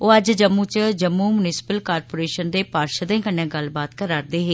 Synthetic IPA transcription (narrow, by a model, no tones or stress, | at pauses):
oːəd͡ʒd͡ʒəmːũːt͡ʃd͡ʒəmːũːmʊnɪsɪ̥pəlkaːɾpoːɾeːʃənd̪eːpaːɾʃəd̪ẽːkəɳːjãːɡəlbaːt̪kəɾaːɾd̪eːɦeː